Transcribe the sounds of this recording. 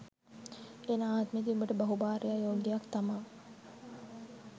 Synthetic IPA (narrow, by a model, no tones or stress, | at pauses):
enaaːt̪med̪iumbəʈəbɐɦubaːɾejajoːɡɡ̪ejakt̪ɐmaː